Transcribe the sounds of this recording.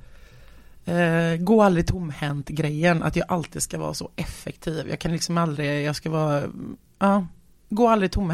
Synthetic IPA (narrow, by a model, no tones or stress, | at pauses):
ɡoːald̪ɾɪt̪ʰʊmːhɛnt̪ɡɾɛjːəna̰t̪jɑːɡʔalt̪iːd̪skavɑ̰ːɾsɔʔɛfːɛkt̪ʰiːvjʔɑ̰ːkʰanlɪksɔmald̪ɾɪjɑːɡskavɑː | ʔɑː | ɡoːald̪ɾɪt̪ʰʊm